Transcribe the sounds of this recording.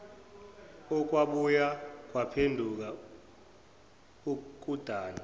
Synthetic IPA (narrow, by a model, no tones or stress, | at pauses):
ɔk̬ʼwaɓujak̬ʼwapʰendʱuk̬a | uk̬ʼud̥ʱaːni